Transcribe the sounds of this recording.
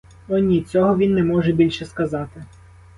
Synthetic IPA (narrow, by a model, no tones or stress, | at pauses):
ɔnʲit͡sʲɔɦɔʋʲinːɛmɔʒɛbʲilʲʃɛskɐzɑt̪ɪ